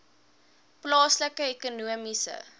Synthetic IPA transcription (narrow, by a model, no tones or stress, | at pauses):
plɑːsləkəekunuəmisə̰